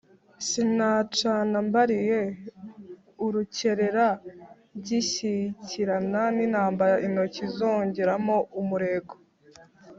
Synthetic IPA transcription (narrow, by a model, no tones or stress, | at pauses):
sinat͡ʃanambaɾije̞ | uɾuce̞ɾe̞ɾa | ɟiɕiciɾananinaːmbajaʔino̞cizo̞ːɲɟe̞ɾamoumuɾe̞ɡo